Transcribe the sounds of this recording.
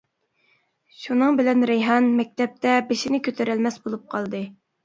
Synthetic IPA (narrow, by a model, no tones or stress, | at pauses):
ʃunɨŋbɪlɛnɾejɦɑnmɛk̚ʲt̪ɛp̚t̪ɛbeʃinɪkʲʰøt̪ʰøɾælmɛsbolˠup̚qʰɑlˠd̪ɨ